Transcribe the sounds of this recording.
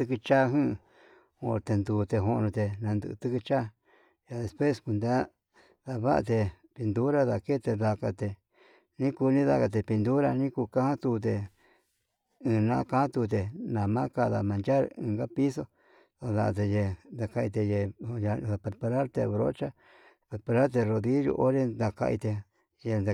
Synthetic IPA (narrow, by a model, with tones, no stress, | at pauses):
t̪ɨ˦˧kɨ˧t͡ʃa˦ɦɨ̃˦˧ | õ̰˧˨ɾt̪e˧nd̪uː˧t̪e˧ɦo˧ʔnũ˧t̪e˧nã˧nd̪ɨ̰˧ʔɨ̰˧t̪ɨ˦kɨ˧t͡ʃa˦ | ja˧ðe˨spwe˦sku˧nd̪a˦ | ða˧βa˦ʔa̰˧t̪e˧ | pi˧nd̪u˦ɾa˦˧ða˧ke˦t̪e˧ða˧ka˧t̪e˧ | nĩ˦ku˧nĩ˦ða̰˧ka˧t̪̬e˧pi˧nd̪u˦ɾa˧nĩ˦ku˧kã˦hã˦t̪u˧t̪̬e˧ | ɨ̃ː˨˧nã˦˧kã˦t̪u˧t̪̬e˨nã˨mã˦ka˧ða̰˧mã˨nd͡ʒa˦ɾɨ̰̃ː˧ɡa˦pi˦so˧ | ðo˧ða̰˧ʔt̪e˧je˧nd̪a˧ka˧ʔi˧t̪̬e˧je˧ja˧˨a˧˨pe˧ɾpa˧ɾa˦ɾt̪ḛ˧βɾo̰˦t͡ʃa˦ | pe˧ɾpa˧ɾa˦ɾt̪̬e˧ɾo˧ði˦jṵ˧ʔo˦ɾe˦d̪a˧ka̰˧ʔḭ˧t̪e˧ | je˧na˧˨